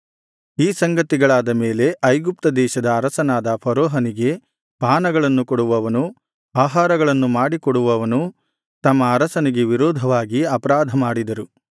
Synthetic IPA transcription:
iːsɐŋɡɐt̪iɡɐɭaːd̪ɐmeːle̞ʔɐjɡup̚t̪ɐd̪ɛːʃɐd̪ɐːɾɐsɐnaːd̪ɐpʰɐɾɔːɦɐniɡe̞ | paːnɐɡɐɭɐnːukɔɽuʋɐʋɐnu | aːɦaːɾɐɡɐɭɐnːumaːɽikɔɽuʋɐʋɐnu | t̪ɐmːɐːɾɐsɐniɡe̞ʋiɾɔːd̪ʱɐʋaːɡiɐpɐɾaːd̪ʱɐmaːɽid̪ɐɾu

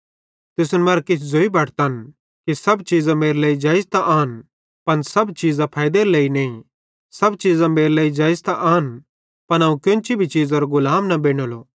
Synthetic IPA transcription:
t̪ɪsnmɐɾkɪt͡ʃʰzoːibʱɐʈʰt̪an | kisɐbt͡ʃiːzãmeːɾleːid͡ʒaːɪst̪aʔaːn | pɐnsɐbt͡ʃiːzãpʰaːjd̪eːɾleːineĩ | sɐbt͡ʃiːzãmeːɾleːid͡ʒaːɪst̪aʔaːn | pɐñaːũkʊ̃nt͡ʃibʱit͡ʃiːzɔɾɡʊlaːmnɐbeːɽ̃oloː

